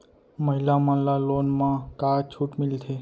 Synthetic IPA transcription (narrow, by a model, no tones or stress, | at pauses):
məɦilamãlalonmãkat͡ʃʰuʈmilt̪ʰe